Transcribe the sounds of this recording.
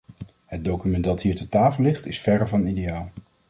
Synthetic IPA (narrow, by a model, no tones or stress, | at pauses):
həd̚dowkymɛntdɑtɦiːɹtətaːfəlɪχtɪsfɛɾəvɑnidejaːlˠ